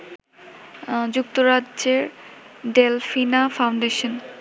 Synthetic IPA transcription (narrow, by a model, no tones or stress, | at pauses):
d͡ʑuk̚t̪oɾadʑeɾ | ɖelfinafawɳɖeʃon